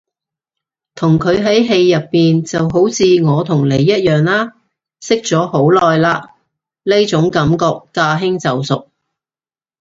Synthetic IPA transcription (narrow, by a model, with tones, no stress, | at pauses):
t̪ʰʊ˨˩ŋkʰɵ˨˧ɥɦɐ˨˥jɦe˧jːɐ˨pːiː˨nt͡sɐ˨wɦo˨˥wt͡sʰiː˧ŋɔː˨˧t̪ʰʊ˨˩ŋle˨˧jːɐ˥t̚jœː˨˩ŋlaː˥ | sɪ˥k̚t͡sɔː˨˥ho˨˥wlɔː˨jlaː˧ | le˥jt͡sʊ˨˥ŋkɐ˨˥mkɔː˧kːaː˧ɦɪ˥ŋt͡sɐ˨wsʊ˨k̚